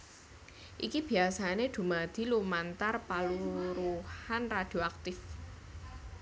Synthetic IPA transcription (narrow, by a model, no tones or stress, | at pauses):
ʔikib̥i̤asaned̪̥ṳmad̪̥i̤lumant̪arpaluɾuhanrad̪̥ioak̚t̪ɪf